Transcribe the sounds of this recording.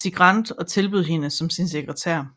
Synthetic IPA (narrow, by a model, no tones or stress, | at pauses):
siɡ̥ʁɑn̰d̥ɒ̽t͡sʰe̝lb̥yðˠɦenəsɒ̽msins̬eɡ̥ʁɐt͡sʰæɐ̰